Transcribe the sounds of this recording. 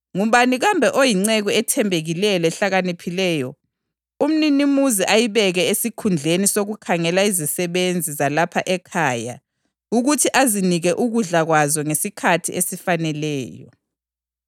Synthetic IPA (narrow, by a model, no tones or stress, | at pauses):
ŋum̩βaniɣambʱɛʔojiŋ͡ǀɛɣuɛtʰɛmbʱeɣilɛjɔɛɬaɣanipʰilɛːjɔ | um̩ninimuziʔajiβɛɣɛesikʰund͡ɮʱenisoɣukʰaŋɛlaizisɛβend͡zʱizalapʰa̰ʔɛkʰaːja̰ | uɣutʰiʔaziniɣɛʔuɣuɮaɣwazɔŋesikʰatʰiesifanɛlɛːjɔ̰